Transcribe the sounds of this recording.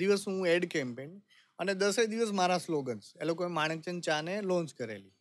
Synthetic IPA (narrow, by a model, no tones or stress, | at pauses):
iʋəsɦũeɽkɛmpen | əned̪əsed̪iʋəs̬maɾasloɡənselokoẽmaɳ̃ek̚t͡ʃənt͡ʃanelɔ̃nd͡ʒkəɾḛli